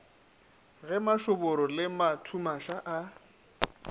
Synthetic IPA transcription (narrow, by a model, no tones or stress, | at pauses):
ɣɛmaʃʊbʊɾɔlɪmatʰumaʃaʔa